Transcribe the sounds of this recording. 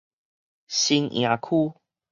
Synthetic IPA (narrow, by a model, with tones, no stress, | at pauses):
ɕi˧ŋj̰̃ã˨˩kʰu˦